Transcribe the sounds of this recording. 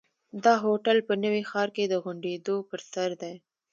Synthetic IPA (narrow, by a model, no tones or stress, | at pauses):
d̪ɑɦoʈəlpənəwexɑːɾked̪əɣʊɳɖed̪opəɾsɐɾd̪aj